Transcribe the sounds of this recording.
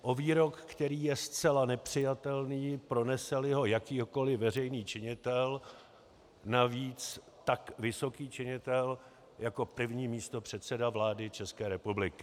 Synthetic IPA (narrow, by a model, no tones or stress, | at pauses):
ʔo̞viːɾo̞kːt̪ɛɾiːjɛst͡sɛlanɛpr̝̥ɪjat̪ɛlniːpɾo̞nɛsɛlɪɦo̞jakiːɦoko̞lɪvɛr̝ɛjniːt͡ʃɪɲɪt̪ɛl | naviːt͡s | t̪akvɪso̞kiːt͡ʃɪɲɪt̪ɛl | jako̞pr̩vɲiːmiːst̪o̞pr̝̥ɛt̪sɛdavlaːdɪt͡ʃɛskɛːɾɛpublɪkɪ